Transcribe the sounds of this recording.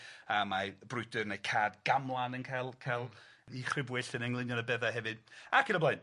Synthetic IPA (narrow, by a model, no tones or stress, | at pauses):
amabrʊɨdɨrnejkʰaːdɡamlˠanənkʰajlˠkʰajlˠ | iχrɪbwɪɬənɛŋlˠɪnjɔnəbɛðaɦɛvɨd̥akʰənablaɨn